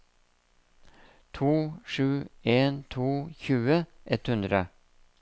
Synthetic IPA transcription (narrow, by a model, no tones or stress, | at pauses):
t̪ʰuːʂʉːeːnt̪ʰuːçʉːəʔɛt̪hʉnd̪ɾə